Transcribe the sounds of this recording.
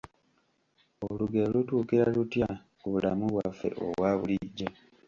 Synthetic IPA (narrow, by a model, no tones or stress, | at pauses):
oluɡe̞lutuːkiɾalutja | kuβula̰muβwafːe̞̰ʔo̰βwaːβuliɟːe